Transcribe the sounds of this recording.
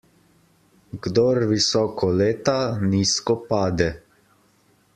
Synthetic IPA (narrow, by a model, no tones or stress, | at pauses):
ɡd̪ɔɾʋisɔːkʰɔleːt̪aniːskɔpaːd̪ɛ